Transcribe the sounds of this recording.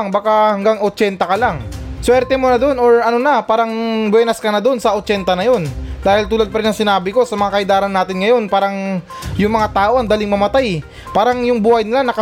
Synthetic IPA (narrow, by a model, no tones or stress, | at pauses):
ŋbakahɐŋɡaŋʔot͡ʃɛnt̪ɐkɐlaŋswɛɾt̪ɛmo̞nɐd̪o̞noɹɐnonɐpaːɾɐŋbwɛːnɐskɐnɐd̪onsɐʔot͡ʃɛnt̪ɐnɐjo̞nd̪aːhɪlt̪uːlɐd̪̚pɐɾɪnɐŋsɪnaːbɪko̞sɐmɐŋakɐɪd̪aːɾɐnːaːt̪ɪnŋɐjo̞npaːɾɐŋ | jʊŋmɐŋat̪aːʔo̞ʔɐŋd̪aːlɪŋmɐmɐt̪aj | paːɾɐŋjʊŋbuːhɐjnɪlanɐkɐ